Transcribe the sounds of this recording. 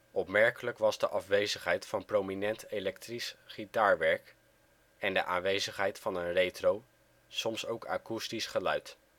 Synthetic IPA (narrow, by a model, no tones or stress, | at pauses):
ɔpmɛɹkələkʋɑzdə̰ʔɑfʋejzəχɦɛjtfɑnprowminɛntelɛktrisχitaːɹʋɛɹk | ɛndəʔaːnʋejzəχɦɛjtfɑnənrejtrow | sɔmsowka̰ːkustisχəlœ̰ɥt